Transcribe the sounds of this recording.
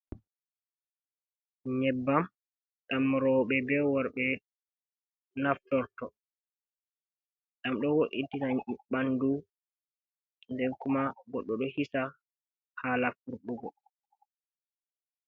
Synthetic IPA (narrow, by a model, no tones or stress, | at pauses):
ɲɛbːam | ɗamɾɔːɓɛbɛwɔɾɓɛ | naftɔɾtɔ | ɗamɗɔwoʔitinaɓandu | ndɛŋkumaɡɔɗːɔɗɔhisa | haːlafuɾɓɔɡɔ